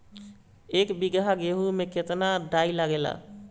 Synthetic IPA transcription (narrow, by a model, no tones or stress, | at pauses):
ekbiɡɾaɡeɦumeket̪naɖailaɡela̰